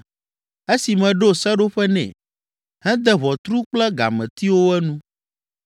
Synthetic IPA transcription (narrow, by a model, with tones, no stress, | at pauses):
e˦si˨mɛ̃˨ɖo˦sɛ˦ɖo˦ɸɛ˦nɛ̰̃˨ | hɛ̃˦d̪ɛ˦βɔ˨t̪ɾu˦k͡plɛ˦ɡa̰˨mɛ̃˨t̪i˦wo˦ɛ˦nũ˦